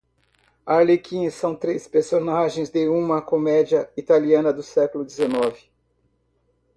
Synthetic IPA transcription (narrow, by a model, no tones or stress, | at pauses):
aɾlekʰĩsɐ̃w̃t̪ɾespeɾsonaʒẽj̃zd̪eũmɐkomɛd͡ʒiɐit̪aliɐ̃nɐd̪ʊsɛkʊlʊd͡ʒ̪ɪzenɔvɪ